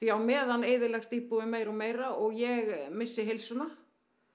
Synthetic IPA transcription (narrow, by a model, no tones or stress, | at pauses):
θjawmɛːðanejðɪɾlɛxst̪iːpuðɪmeːjɾɔmeːjɾaɔɣjɛɣmɪsːɪɦejlsʏna